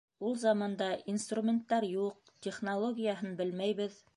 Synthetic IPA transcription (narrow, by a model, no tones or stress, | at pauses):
ulˠzɑmɑnd̪ɑʔinst̪rumʲent̪ːɑɾjuq̚ | t̪ʲeχnolˠoɡʲijaɦɤnbɘlmæjβɘð